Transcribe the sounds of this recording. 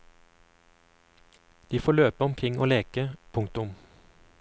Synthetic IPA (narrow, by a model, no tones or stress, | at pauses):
d̪̥iːfoːɭøːpəɔmkʰʁɪŋo̰ːleːkəpʰʊŋk̚t̪ʊm